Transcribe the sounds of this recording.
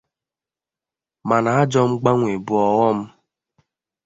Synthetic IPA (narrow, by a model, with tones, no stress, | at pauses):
ma˨na˨a˦d͡ʒɔ˦m̩˦ɡ͡ba˦ŋʷe˨bu˨ɔ˨ɣɔ˦m̩˦